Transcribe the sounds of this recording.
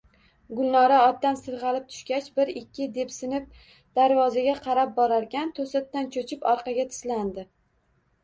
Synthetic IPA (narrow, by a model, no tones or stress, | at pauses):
ɡʊlˠnɒɾaɒd̪ːansɨɾʁɑlɪp̚t̪ʰʊ̥ʃkʲat͡ʃbɪɾɪkʲːɪd̪e̞psɪnɪp̚ | d̪̥aɾvɒzaɡʲaqʰɑɾap̚bɒɾaɾkʲʰant̪ʰosat̪ːant͡ʃʰot͡ʃʰɪpɒɾqʰɑɡʲat̪ʰɪ̥sland̪ɪ